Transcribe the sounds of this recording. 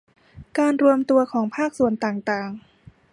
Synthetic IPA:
kaː˧nɾu˧əmt̪u˧ɐkʰɔː˩˦ŋpʰaː˥˩k̚su˨˩˦ənt̪aː˨˩ŋt̪aː˨˩ŋ

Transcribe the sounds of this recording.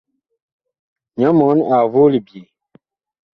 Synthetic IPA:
ɲɔ˨˦mɔ˨˦na˨vo˦li˨bje˨

